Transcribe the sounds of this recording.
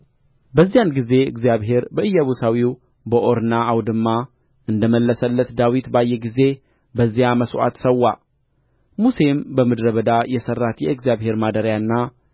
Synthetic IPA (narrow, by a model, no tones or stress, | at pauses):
bəzːijanɡize̞ɨ̰ɡzijaβɦe̞ɾbəɨjːaβusawiw | bəʔo̞ɾnaːwd̪ɨmːa | ʔɨnd̪əməlːəsəlːət̪d̪awit̪bajːɛɡize̞ | bəzːijaməsʔa̰t̪səwːa | muse̞mbəmɨd̪ɾəβəd̪ajɛsərːat̪jɛɨɡzjaβhe̞ɾmad̪əɾjanːa